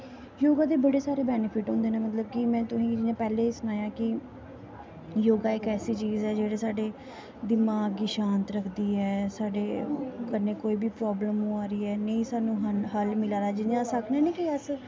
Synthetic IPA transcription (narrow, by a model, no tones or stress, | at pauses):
joːɡaːd̪eːbəɽeːsaːɾeːbɛːnɪpʰɪʈɦõːnd̪eːnẽːmət̪ləb̚kɪmɛ̃ːt̪ʊsĩːd͡ʒɪnẽːpɛːleːsʊnaːjãːkɪ | joːɡaːɪkɛːsiːt͡ʃiːzɛːd͡ʒeːɽeːsaːɖeː | d̪ɪmaːɡiːʃãːnt̪ɾəkʰd̪iːɛːsaːɖeːkəɾnẽːkoːiːbʱiːpɾɔːbləmõːaːɾiːɛːnəĩːsaːnũːɦɦəlmɪlaːɾaːd͡ʒɪnãːsəkʰnẽːnẽːkiəs